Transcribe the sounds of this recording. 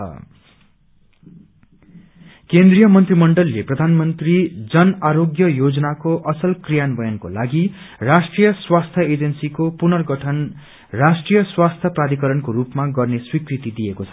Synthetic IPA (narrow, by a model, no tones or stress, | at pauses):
kend̪rijʌmʌnt̪rimʌɳɖʌlːeprʌd̪ʱanmʌnt̪rid͡zʌnaɾoɡjʌjod͡zʌnakoʔʌsʌlkrijanbʌjʌnko̰laɡi | rasʈrijʌswast̪ʰjʌed͡zʌnsikopunʌrɡʌʈʰʌn | rasʈrijʌswast̪ʰjʌprad̪ikʌɾʌnkoɾupmaɡʌrneswikrit̪id̪ijekot͡sʰʌ